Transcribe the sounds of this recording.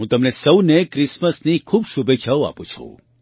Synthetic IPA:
ɦũt̪əmnesəwnekɾɪsməsnikʰuːbʃubʱet͡ʃʰəoa̰pũt͡ʃʰṵ̃

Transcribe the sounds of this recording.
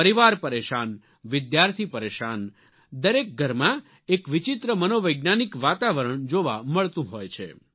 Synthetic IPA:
pəɾiʋaɾpəɾeʃan | ʋɪd̪jaɾt̪ʰipəɾeʃan | d̪əɾek̚ɡʱəɾmã | ekʋɪt͡ʃɪt̪ɾəmənoʋəjɡnanikʋat̪aʋəɾəɳd͡ʒoʋaməɭt̪ũɦojt͡ʃʰḛ

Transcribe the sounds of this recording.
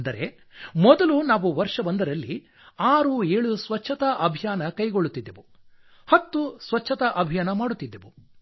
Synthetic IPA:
nd̪ɐɾe̞̰ | mɔd̪ɐlunaːʋuʋɐɾʂɐbɐnd̪ɐɾɐlːi | aːɾueːɭusʋɐt͡ʃʰːɐt̪ɐʔɐbʱijaːnɐkɐjɡoɭːut̪ːid̪ːeʋu | hɐt̪ːusʋɐt͡ʃːʃʰːɐt̪ɐʔɐbʱijaːnɐmaːɽut̪ːid̪ːeʋu

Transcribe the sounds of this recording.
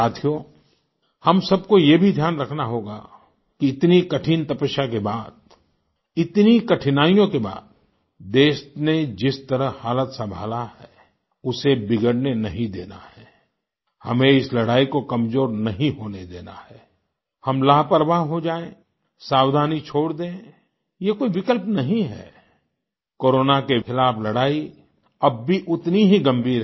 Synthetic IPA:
saːt̪ʰijo | hɐmsɐb̚kojebʱid̪ʱjaːnɾɐkʰnaɦoːɡa̰ | kiɪt̪nikɐʈʰiːnt̪ɐpəʃakebaːd̪̚ | ɪt̪nikɐʈʰɪnaːijõkeba̰ːd̪̚ | d̪eːʃned͡ʒɪst̪əɾəɦhaːlət̪sɐ̃mbʱa̰ːlahɛː | ʊsebɪɡəɽnenɐɦĩd̪ḛːna̰hɛː | hɐmẽɪslɐɽaːikokɐmzoːɾnɐɦĩɦoːned̪eːna̰hɛː | hɐmlaːɦpəɾəʋaɦɦod͡ʒaːẽː | saːwd̪ʱaːnit͡ʃʰoːɽd̪ẽ | jekoːiʋɪkəlpnɐɦĩɦɛ̰ː | koːɾoːnakexɪlaːpʰlɐɽaːi | ɐbːiʔʊt̪niɦiɡɐ̃mbʱiːɾ

